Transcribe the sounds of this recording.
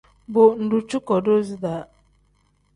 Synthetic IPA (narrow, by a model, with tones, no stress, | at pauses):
bʊ˨n̩˨ɖʊ˨t͡ʃʊ˦kɔ˨do˦zi˦da˦